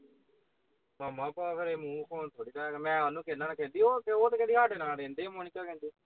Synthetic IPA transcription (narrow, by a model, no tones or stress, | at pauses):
maːmãːpaːpʰeɾeːmũːkʰoːnt̪ʰoːɽiːtaːmɛ̃ːalũːkʰeːnãːnãːkʰeːld̪iːoːkeoːt̪ːkɛːd̪iːaʈenãːɾẽːnd̪eːmoːniːkaːkẽːnd̪iː